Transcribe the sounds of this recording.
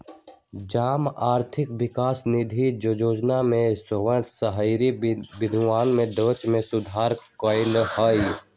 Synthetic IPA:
d͡ʒaːmaːɾt̪ʰɪkwɪkaːsnɪd̪ʱid͡ʒoːd͡ʒoːd͡ʒnamẽsoʋənt̪ʰsəɦəɪɾibɪd̪ʱʋaːnmẽd̪əːt͡ʃmẽsʊd̪ʱaːɾkɔːɪnhəj

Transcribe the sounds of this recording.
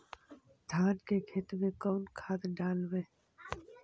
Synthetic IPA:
d̪ʱaːnkekʰet̪mẽkoːnkʰaːd̪ɖaːlweː

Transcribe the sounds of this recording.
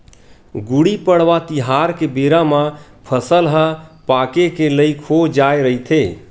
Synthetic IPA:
ɡuɽipəɽʋat̪iɦaɾkebeɾamã | pʰəsəlɦəpakekeləɪkʰod͡ʒaeɾəit̪ʰe

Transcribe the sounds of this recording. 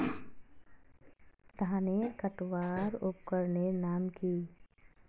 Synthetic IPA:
t̪ɦãnekəʈʋaːɾʊp̚kəɾnenaːmki

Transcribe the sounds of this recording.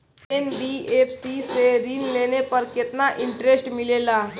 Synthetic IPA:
enbieːpʰsiseɾiːnleːnepəɾkɪt̪naʔɪ̃ɳʈɾesʈmɪleːlaː

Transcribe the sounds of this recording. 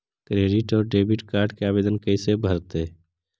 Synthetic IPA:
kɾeːɖiʈɔːɾɖeːbiʈkaːɾɖkeaːbeːd̪ənkəisebʱəɾt̪e

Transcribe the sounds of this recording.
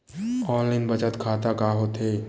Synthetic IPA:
ɔːnlaɪnbɐt͡ʃət̪kʰaːt̪akaːɦoːt̪eː

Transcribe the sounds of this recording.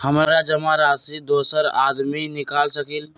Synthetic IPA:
hɐmaɾad͡ʒɐmaɾaːsid̪oːsəɾa̰ːd̪minɪkaːlsɐkil

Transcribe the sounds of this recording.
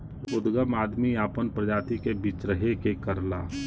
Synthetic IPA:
ʊd̪ɡəmaːd̪miaːpənpɾəd͡ʒaːt̪ikebiːt͡ʃɾəɦekekəɾlaː

